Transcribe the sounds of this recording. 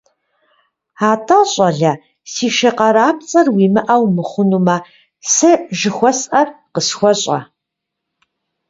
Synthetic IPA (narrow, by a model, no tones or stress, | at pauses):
aːtʰaɕʼɐɮɐ | siːʃɐqɐɾaːp̚t͡sʼɐrwiːmɨʔɐwmɨχʷʊnumɐ | sɨʒɪxʷɔsʔɐrqəsxʷɔɕʼɐ̰